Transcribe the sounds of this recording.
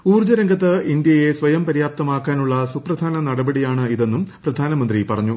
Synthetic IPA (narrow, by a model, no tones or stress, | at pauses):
uːrd͡ʑɐɾɐŋɡʱɐt̪ːɨind̪jɐjesʋɐjɐmpɐɾijaːp̚t̪ɐmaːkːaːnuɭːɐsuprɐd̪ʱaːnɐnɐɽɐbɐɽijaːɳɨiðe̞nːumprɐd̪ʱaːnɐmɐnd̪ripɐrɐɲːu